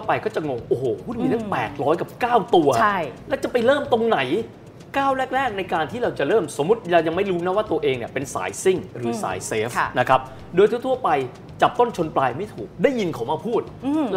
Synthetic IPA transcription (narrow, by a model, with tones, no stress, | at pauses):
t̪ʰːpa˧jkɔː˥˩t͡ɕa˨˩ŋo˧ŋʔoː˨˩hoː˨˩˦kʰuː˥˩nmiː˧nɯ˥˩ŋpɛː˨˩t̪̚ɾɔː˦˥jka˨˩p̚kaː˥˩wt̪u˧ɐ˥lɛ˦˥wt͡ɕa˨˩pa˧jɾɤː˥˩mt̪o˧ŋna˩˦j | kaː˥˩wɾɛː˥˩k̚ɾɛː˥˩k̚na˧jkaː˧nt̪ʰiː˥˩ɾa˧wt͡ɕa˨˩ɾɤː˥˩mso˩˦mːu˦˥t̪̚ja˧ja˧ŋma˥˩jɾuː˦˥na˦˥waː˥˩t̪u˧ɐʔeː˧ŋni˥˩ɐpe˧nsa̰ː˩˦jsi˥˩ŋɾɯː˩˦sa̰ː˩˦jseː˦˥fna˦˥kʰa˦˥p̚ | doː˧jt̪ʰu˥˩t̪ʰu˥˩ɐpa˧j | t͡ɕa˨˩p̚t̪o˥˩nt͡ɕʰo˧nplaː˧jma˥˩jt̪ʰuː˨˩k̚daː˥˩ji˧nkʰa˨˩˦wmaː˧˥˩pʰuː˥˩t̪̚ː